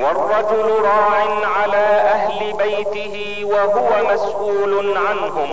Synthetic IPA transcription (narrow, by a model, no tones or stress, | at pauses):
wɑrˤːɑd͡ʒʊlʊɾˤɑːʕɪnʕalaːʔaɦlɪbajt̪ɪɦɪ | waɦʊwamasʔuːlʊnʕanɦʊm